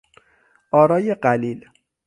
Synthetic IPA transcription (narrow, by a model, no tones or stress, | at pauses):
ʔɒːɾɒːjeɢæliːl